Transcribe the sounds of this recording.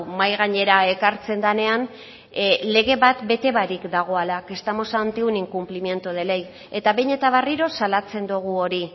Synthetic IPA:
majɣ̞aɲe̞ɾae̞kaɾt͡se̞nd̪ane̞an | le̞ɣ̞e̞βat̪be̞t̪e̞βaɾikd̪aɣ̞o̞alake̞st̪amo̞sant̪euniŋkumplimje̞nt̪uð̞e̞lej | e̞t̪aβeɲe̞t̪aβariɾo̞salat͡se̞nd̪uɣ̞uo̞ɾi

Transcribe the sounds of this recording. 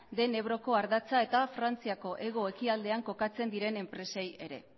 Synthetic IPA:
d̪e̞ne̞βɾo̞ko̞aɾðat͡sae̞t̪afɾant͡siako̞ʔe̞ɣ̞o̞e̞kiald̪e̞aŋko̞kat͡se̞nd̪iɾe̞ne̞mpɾe̞seje̞ɾe̞̰

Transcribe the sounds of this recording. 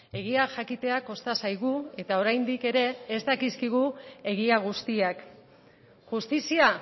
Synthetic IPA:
e̞ɣ̞iaʝakit̪e̞ako̞st̪asajɣ̞ue̞t̪ao̞ɾajnd̪ike̞ɾe̞ːst̪akiskiɣ̞ue̞ɣ̞iaɣ̞ust̪iak | ʝust̪isia

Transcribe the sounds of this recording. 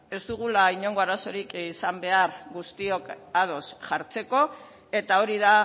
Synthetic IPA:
e̞zd̪uɣ̞ulaiɲo̞ŋɡo̞aɾaso̞ɾikisambe̞aɾɡust̪io̞kað̞o̞sʝaɾt͡se̞ko̞ | e̞t̪ao̞ɾiða

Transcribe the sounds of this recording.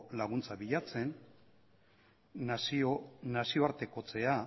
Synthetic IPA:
laɣunt͡saβiʎat͡se̞n | asionasio̞aɾt̪e̞ko̞t͡se̞a

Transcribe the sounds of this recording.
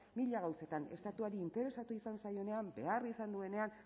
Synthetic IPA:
miʎaɣ̞awse̞t̪ane̞st̪at̪uaɾiːnt̪e̞ɾe̞sat̪uisansajo̞ne̞ambe̞̰arisand̪ue̞ne̞an

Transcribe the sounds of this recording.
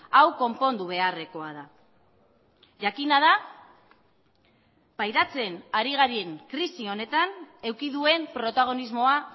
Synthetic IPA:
awko̞mpo̞nd̪uβ̞e̞are̞ko̞aða | ʝakinað̞a | pajɾat͡se̞naɾiɣaɾie̞ŋkɾisio̞ne̞t̪ane̞wkiðue̞mpɾo̞t̪aɣ̞o̞nizmo̞a

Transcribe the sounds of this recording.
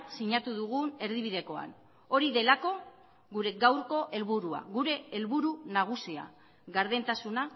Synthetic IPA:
siɲat̪uðuɣ̞une̞ɾðiβ̞iðe̞ko̞a̰n | o̞ɾiðe̞lako̞ | ɣuɾe̞ɡawɾko̞ʔe̞lβuɾua̰ɣuɾe̞ːlβuɾunaɣ̞usia̰ | ɣaɾðe̞nt̪asuna

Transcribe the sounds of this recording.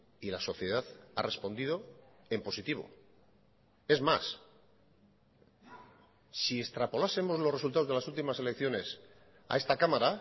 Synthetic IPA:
ilaso̞θje̞ðaθa̰rʔe̞spo̞nd̪iðo̞e̞mpo̞sit̪iβ̞o̞̰ | e̞zmas | sie̞st̪ɾapo̞lase̞mo̞zlo̞re̞sult̪aozðelasult̪imase̞le̞kθjo̞ne̞s | a̰e̞st̪akamaɾa

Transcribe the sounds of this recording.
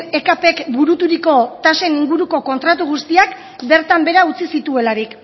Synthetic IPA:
e̞kape̞kbuɾut̪uɾiko̞t̪ase̞niŋɡuɾuko̞ko̞nt̪ɾat̪uɣ̞ust̪iak | be̞ɾt̪ambe̞ɾaut͡sisit̪ue̞laɾik

